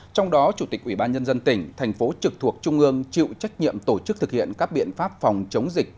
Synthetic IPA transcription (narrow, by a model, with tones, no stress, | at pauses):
t͡ɕɔ˧wŋ͡mɗɔ˨˦t͡ɕu˧˩t̪ï˨˩k̚ʔwi˧˩ɓaː˧nɲə˧nzə˧nt̪ï˧˩ŋ̟t̪ʰa˨˩jŋ̟fo˨˦t͡ɕɨ˨˩k̚t̪ʰu˨˩ək̚t͡ɕʊ˧ŋ͡mʔɨ˧əŋt͡ɕḭ˧˨wt͡ɕa˦˥jk̟̚ɲḭ˧˨əmt̪o˧˩t͡ɕɨ˦˥k̚t̪ʰɨ˨˩k̚hḭ˧˨ənkaː˦˥k̚ɓḭ˧˨ənfaː˦˥p̚fa˨˩wŋ͡mt͡ɕə˨˦wŋ͡mzi˨˩k̚